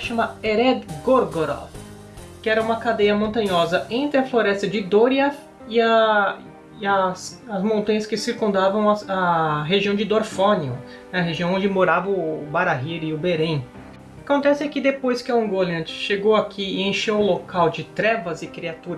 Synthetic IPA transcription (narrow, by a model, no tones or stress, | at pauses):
ʃɐ̃mɐeɾɛd̪ɡoɾɡoɾo̰f | kɪɛɾɐũmɐkad̪ejɐmõnt̪ɐ̃ɲɔzɐẽnt̪ɾɪɐfloɾɛst̪ɐd͡ʒɪd̪oɾiɛf | ɪɐ | ɐs | ɐzmõnt̪ɐ̃ɲɐskɪsiɾkũnd̪avɐ̃w̃ɐɐɦeʒiɐ̃w̃d͡ʒɪd̪oɾfõniʊ̰ | nɛɐɦeʒĩw̃õd͡ʒɪmoɾavɐʊbaɾaɦiɾɪʊbeɾẽj̃ | akõnt̪ɛsɪakɪd̪epojskɪaũɡolĩt͡ʃʃeɡowakʰiɪẽʃewlokawd͡ʒɪt̪ɾɛvɐzɪkɾiat̪uɾɐ